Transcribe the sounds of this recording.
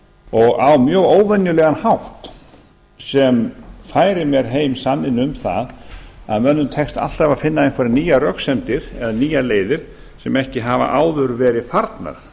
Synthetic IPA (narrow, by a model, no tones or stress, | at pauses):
ɔɣawmjœɣoːwvɛnjʏlɛɣanhawht̪ | sɛmfaːjɾɪmjɛɾ̥ɦeːjmsanːɪnʏmθa̰ða̰ðmœnːʏmt̪ʰɛkst̪a̰l̥t̪avaðfɪnːaejn̥kʰvaɾniːjarœksɛmt̪ɪɾ̥ɛðaniːjaleːjðɪɾ̥ | sɛmɛhcɪɦava̰ʔaːwðʏɾvɛːɾɪfaɾt̪na̰ɾ̥